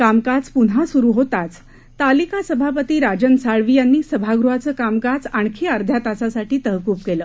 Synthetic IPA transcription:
kamkad͡zpuɽ̤asuɾuːɦot̪at͡s | t̪alikasəbʱapət̪iːɾad͡ʑənsaɭʋiːjanːiːsəbʱaɡɾuɦat͡səːkamkad͡zaɳ̃kʰiaɾd̪ʱjat̪asasaʈiːt̪əɦkuːpkeləː

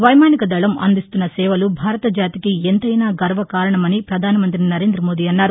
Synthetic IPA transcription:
ʋɐjmaːnikɐd̪ɐɭɐmɐ̰nd̪ist̪unːɐsɛːʋɐlubʱaːɾɐt̪ɐd͡ʒaːt̪ikient̪ɐjnaːɡɐɾʋɐkaːɾɐɳɐmɐnipɾɐd̪ʱaːnɐmɐnt̪ɾinɐɾeːnd̪ɾɐmo̞ːd̪iːɐnːaːɾu

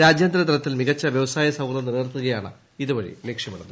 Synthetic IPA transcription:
ɾaːd͡ʑjɐnd̪ɾɐt̪ɐɾɐt̪ːilmiɣɐt͡ɕːɐʋjɐʋɐsaːjɐsɐwɡlɐniɾeːrt̪ːuɣɐjaːɳɨ̰ | iðuʋɐɻḭleːkʂjɐmuɳːɐðɨ

